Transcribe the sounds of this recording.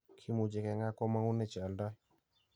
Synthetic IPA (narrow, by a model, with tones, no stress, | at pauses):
kʰi˦mu˨d͡ʒe˨kɛ˨ŋa˦kɔ˦ma˦ŋu˦nɛ˦˨t͡ʃa˨a˨lda˦j